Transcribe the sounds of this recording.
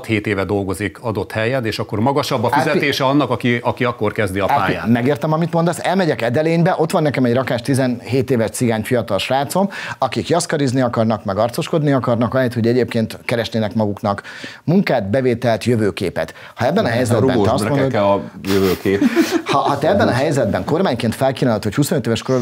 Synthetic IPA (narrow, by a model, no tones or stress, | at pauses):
t̪heːt̪eːvɛd̪o̞lɡo̞zikɒd̪o̞t̪hɛjɛneːʃɒkːo̞rmɒɡɒʃɒbːɒfizɛt̪eːʃɛɒnːɒkɒkiʔɒkiɒkːorkɛzd̪iɒpːaːja̰ːmɛɡeːrt̪ɛmɒmit̪mond̪ɒsɛlmɛɟɛkɛd̪ɛleːɲbɛʔo̞t̪ʋɒnːɛkɛmɛɟrɒkaːʃt̪izɛnɦeːt̪eːvɛʃt̪siɡaːɲfijɒt̪ɒlʃraːt̪so̞mɒkikjɒskɒɾizniɒkɒrnɒkmɛɡɒrt̪so̞ʃko̞d̪niɒkɒrnɒkɒlɛːt̪ho̞ɟɛɟeːp̚keːnt̪kɛɾɛʃneːnɛkmɒɡuknɒkmuŋkaːd̪bɛveːt̪ɛlt̪jøvøːkeːpɛ̰t̪ | hɒɛbːɛnɒɦɛjzɛd̪bɛɛɒsmonoɛɒjøvøːkeːphɒhɒt̪ɛɛbːɛnɒɦɛjzɛd̪̚bɛŋko̞rmaːɲkeːnt̪fɛlkiːnanlot̪hochusonøt̪eːvɛʃkoɾ